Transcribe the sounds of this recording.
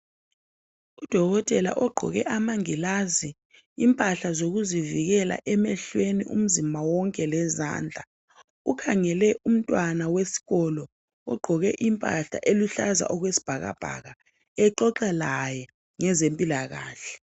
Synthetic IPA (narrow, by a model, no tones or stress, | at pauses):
ud̥ʱɔɣɔtʼɛla̰ʔɔɡ͡ǃʱɔ̰ɣɛʔamaŋilazi | impʼaɬazoɣuziviɣɛla̰ʔɛmɛɬweniʔṵm̩zimawɔŋkʼɛlɛza̰ːnd͡ɮʱa | ukʰaŋɛlɛʔum̩tʼwanawesi̥ɣɔlɔ | ɔɡ͡ǃʱɔɣɛ̰ʔimpʼa̰ɬa̰ʔeluɬaza̰ʔɔɣwesi̥b̥ʱaɣa̰b̥ʱa̰ɣa | ɛǃɔǃalajɛ | ŋɛzempʼilaɣa̰ːɬɛ̥